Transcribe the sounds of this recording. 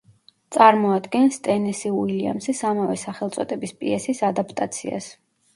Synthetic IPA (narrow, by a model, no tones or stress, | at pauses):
t̪sʼaɾmɔad̪ɡɛnst̪ʼɛnɛsiwilia̰msisamavɛsaχɛlˠt̪sʼɔt̪ʼɛbispʼiɛsisad̪apʰt̪ʼat̪sʰḭa̰s